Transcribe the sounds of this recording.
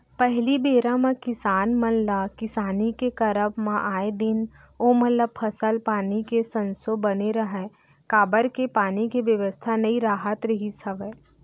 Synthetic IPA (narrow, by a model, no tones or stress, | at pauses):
pɛɦlibeːɾãmãkɪsaːnmɐllakɪsaːnikekɐɾəpmãʔaːed̪ɪn | oːmət̪ləb̚pʰɐsəlpaːnikesɐ̃nsobɐneɾɐɦɛ | kaːbəɾkepaːnikeʋjəʋəst̪ʰanɐiɾaːɦət̪ɾɐɦisɐʋə